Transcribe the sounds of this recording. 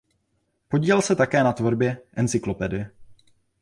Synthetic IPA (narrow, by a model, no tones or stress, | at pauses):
po̞ɟiːvɛlsɛt̪akɛːnat̪vo̞ɾbjɛʔɛnt͡sɪklo̞pɛdɪɛ